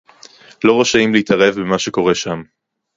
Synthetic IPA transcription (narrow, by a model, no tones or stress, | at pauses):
lo̞ʁoʃaimliitʰɐʁe̞vbemaʃe̞ko̞ʁe̞ʃam